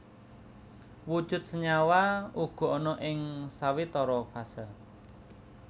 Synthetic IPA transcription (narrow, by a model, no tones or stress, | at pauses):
wud̥ʒ̥ʊ̤t̪̚səɲawauɡ̥ɔ̤ɔnɔʔɪŋsawit̪ɔɾɔfasə